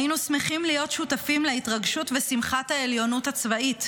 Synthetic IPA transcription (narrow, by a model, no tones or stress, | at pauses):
inusmeχimlijo̞t̪ʃutafimleitʁɐɡʃutvesimχathaeljo̞nutat͡svait